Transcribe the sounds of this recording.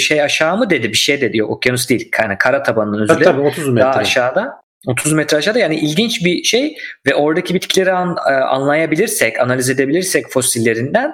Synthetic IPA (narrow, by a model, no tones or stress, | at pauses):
ʃejaʃaːmɯd̪e̞d̪ibiʃe̞jd̪ed̪ijookjanusd̪ejilʲkʰanakʰaɾat̪ʰabanɯnɯnøzylʲɛot̪ʰuzmd̪aɦaʃaːd̪a | o̞t̪ʰuzmɛt̪ɾɛaʃaːd̪ajaːniʔilʲɟint͡ʃbiʃe̞jvɛʔo̞ɾd̪acʰibit̪cʰilʲe̞ɾiaa̰nlˠajabilʲiɾsɛcʰanalʲize̞d̪e̞bilʲiɾsɛcfo̞silʲːe̞ɾind̪æn